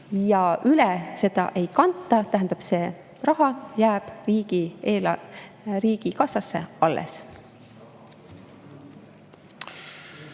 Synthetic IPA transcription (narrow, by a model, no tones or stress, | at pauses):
jɑʔylɛse̞d̪̥ɑ̰ʔe̞jkɑnt̪ˑːɑt̪æɦænd̪̥ɑb̥se̞ː | rɑɦɑjæːb̥riːɡ̥ieːl | riːɡ̥ikɑsɑsːe̞̰ɑlːʔḛs